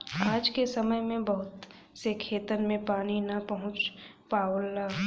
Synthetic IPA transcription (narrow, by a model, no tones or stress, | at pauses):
aːd͡ʒkesɐməjmẽbɐɦʊt̪ | sekʰeːt̪ənmẽpaːninɐpɐɦʊ̃t͡ʃ | paːwəlːaː